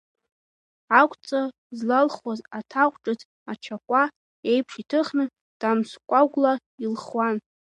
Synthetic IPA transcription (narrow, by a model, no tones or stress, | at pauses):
akʷʼt͡sʼa | zlalχwazatʰaqʷʼʈ͡ʂʼɨz | at͡ʃʰakʷʼa | ejpʰʂitʰɨχnɨ | d̥amskʷʼaɡʷla | ilχwan